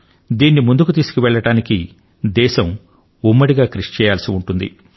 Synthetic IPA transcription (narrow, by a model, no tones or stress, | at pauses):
d̪iːnːimund̪ukut̪iːsu̥kiʋɛɭːɐɽaːniki | d̪ɛːʃɐm | umːɐɽiɡaːkɾiʂt͡ʃɛːjaːlsiuɳʈund̪ḭ